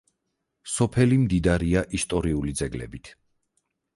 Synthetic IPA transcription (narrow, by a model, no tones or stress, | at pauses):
sɔpʰɛlimd̪id̪aɾiaʔist̪ʼɔɾiulid̪zɛɡlɛ̰bit̪ʰ